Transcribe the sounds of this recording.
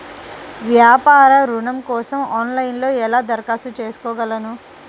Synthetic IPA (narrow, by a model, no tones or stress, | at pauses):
ʋjaːpaːɾɐɾuɳɐmkɔːsɐmaːnlɐjinlo̞ːɛlaːd̪ɐɾkaːsut͡ʃe̞ːsu̥kɔːɡɐlɐnu